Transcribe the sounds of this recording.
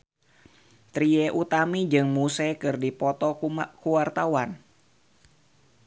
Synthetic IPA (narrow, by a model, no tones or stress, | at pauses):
t̪ɾiɛʔut̪amid͡ʒɨŋmusɛkɨrdipɔt̪ɔkuwart̪awan